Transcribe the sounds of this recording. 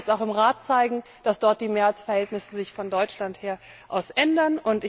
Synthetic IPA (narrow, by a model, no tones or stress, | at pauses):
t͡staʊxɪmʁaːtt͡saɪɡŋ̩ | d̥asd̥ɔɐt̚d̥iːmeːɐat͡sfɛɐhɛltnɪsəzɪçfɔndɔʏt͡ʃlantheːɐ | ʔaʊsʔɛndɐnʊntɪ